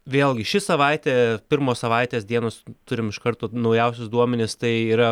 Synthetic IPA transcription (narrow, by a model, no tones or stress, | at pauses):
ʋʲeːlˠɡʲɪʃʲɪsɐʋɐɪt̪ʲeːpʲɪɾmoːssɐʋɐɪt̪ʲeːsd̪ʲiɛnoːst̪ʊɾʲɪmɪʃkɐrt̪oːnɐʊjɛʊsʲʊsd̪uɔmʲɛnʲɪst̪ɐɪiːɾɐ